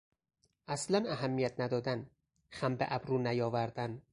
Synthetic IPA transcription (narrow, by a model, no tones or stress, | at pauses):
aslanaɦamːijat̪̚ʰnad̪ɒd̪æn | χambḛʔabɾunajɒvæɾd̪æn